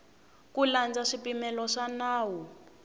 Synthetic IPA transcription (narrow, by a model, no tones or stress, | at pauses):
kuland͡zaʂipimɛlɔʂanaːwu